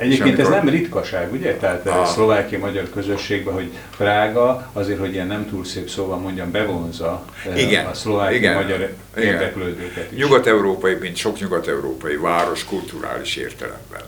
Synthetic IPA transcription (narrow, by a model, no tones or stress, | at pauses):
ɛɟeːpkeːnt̪ɛnɛmrit̪kɒʃaːɡuɟɛt̪ɛɦaːt̪slo̞vaːkijɒmɒɟɒrkø̞zø̞ʃːeːɡ̚bɛɦo̞ɟ | fraːɡɒɒzeːrho̞ɟijɛnːɛmt̪uːlseːpsoːbɒmːo̞ɲɟɒmbɛvo̞nzɒ | iɡɛnɒslo̞vaːkiiɡmɒɟɒɾ | eːrd̪ɛkløːd̪øːkɛt̪iɲuʃɡɒt̪ɛuɾoːpɒjimint̪ʃo̞kɲuɡɒt̪ɛuɾo̰ːpɒjivaːɾo̞ʃkult̪uɾa̰ːliʃḛːrt̪ɛ̰lɛ̰mbɛ̰n